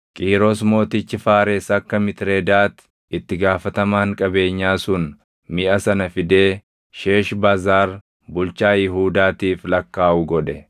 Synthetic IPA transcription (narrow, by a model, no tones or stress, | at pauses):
kʼiːɾosmo̞ːt̪ɪt͡ʃːɪfaːɾeːsɐkːɐmɪt̪ɾeːd̪aːt̪ɪ̥ | ɪt̪ːɪɡaːfɐt̪ɐmaːŋkʼɐbe̞ːɲːaːsʊn | mɪʔɐsɐnɐfɪd̪e̞ː | ʃe̞ːʃbaːzaːɾ | bʊlt͡ʃaːjɪɦuːd̪aːt̪iːflɐkːaːʔʊɡɔᶑɛ